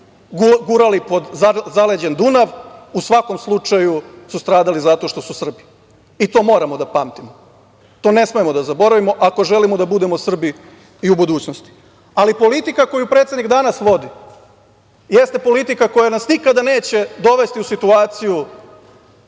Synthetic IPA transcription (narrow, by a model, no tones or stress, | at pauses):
ɡɡuɾalipo̞d̪zaled͡ʑend̪unaʋusʋako̞mslˠut͡ʃajusust̪ɾaːd̪alizat̪o̞ʃt̪o̞susr̩bi | it̪o̞ːmo̞ːɾamo̞d̪apaːmt̪imo | t̪o̞ːne̞sme̞emo̞d̪azabo̞ɾaʋimo̞ʔako̞ʒe̞limo̞d̪abud̪e̞mosr̩bi | iubud̪uːt͡ɕno̞st̪i̥ | alipo̞lit̪ikako̞jupɾet̪ed̪nikd̪anasʋo̞d̪i | jest̪e̞po̞lit̪ikako̞janasnikad̪ane̞ːt͡ɕe̞d̪o̞ʋe̞st̪iusit̪uaːt̪siju